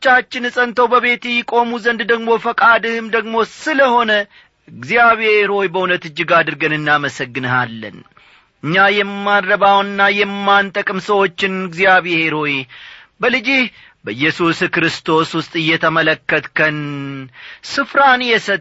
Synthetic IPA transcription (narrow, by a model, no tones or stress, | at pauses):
t͡ʃːat͡ʃːɪnɨsʼənt̪ʰəwbəβe̞t̪jːɪkʼo̞muzənd̪d̪əɡmo̞fəkʼad̪ɨhɨmd̪əɡmo̞sɨləho̞nə | ɨɡzijaβeɾo̞jbəunət̪ɨd͡ʒːɪɡad̪ɨɾɡənɨnːaməsəɡːɨnəhalːə̰n | ɨɲːajɛmːadɾəβawɨnːajɛmːant̪ʼəkʼɨmsəwo̞t͡ʃːɪnɨɡzijaβeheɾo̞j | bəlɨd͡ʒih | bəjːɛsuskɾɨst̪ʰo̞swʊst̪ʼɨjːɛt̪ʰəmələkːət̪kʰən | sɨfɾanjɛsə